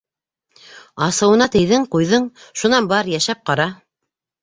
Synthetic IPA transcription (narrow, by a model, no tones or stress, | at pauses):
ɑsɤ̆wɤ̆nɑt̪ɘ̆jðɘɴqujðɤɴʃunɑnbɑɾjæʃæp̚qɑɾɑ